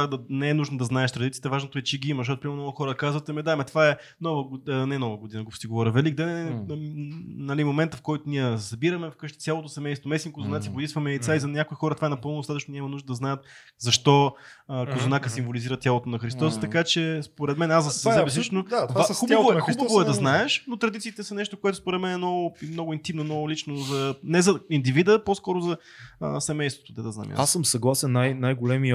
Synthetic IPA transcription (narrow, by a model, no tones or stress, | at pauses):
ad̪ɐnɛɛnuʒnod̪ɐznaɛʃt̪ɾɐd̪it̪siə̥t̪əvaʒnot̪oɛt͡ʃɛɡiimɐzʃ̬ɔt̪opɾimɛnɔɡʊxɔɾəkazvɐt̪ɛmɛd̪amɛt̪vaɛ | nɔvəɡnɛnɔvəɡod̪inəɡost̪iɡovɔɾʲəvɛliɡ̚d̪anɛ | nɐlimomɛnt̪əfkɔjt̪oniɛsɐbiɾɐmɛfkɤʃt̪i̥t̪ʲalˠot̪osɛmɛjst̪vomɛsʲikozonat̪ʲibod̪it̪st̪vɐmɛit̪saizɐnʲakoixɔɾət̪vaɛnɐpɤlˠnd̪ost̪at̪ət͡ʃnonʲamɐnuʒd̪əd̪ɐznajət̪̚ | zɐʃt̪ɔəkozonakəsimvoliziɾət̪ʲjalˠot̪oʊnɐxɾist̪ɔzət̪ɐkat͡ʃɛspoɾɛt̪mɛnazd̪ɐsɛsɛbɛslit͡ʃnoaxubvoxubəvoɛd̪ɐznaɛʃnot̪ɾɐd̪it̪sit̪ɛsɐnɛʃt̪okoɛt̪ʊspoɾɛt̪mɛnɛmnɔɡʊimnɔɡʊint̪imnonɔɡʊlit͡ʃnozɐnɛzɐind̪ivid̪əposkɔɾozɐ | ə̰sɛmɛjst̪vo̥t̪od̪ɐd̪ɐznɐ̰mʲj̰assəmsɐɡlˠasɛnːajnajɡolɛmiə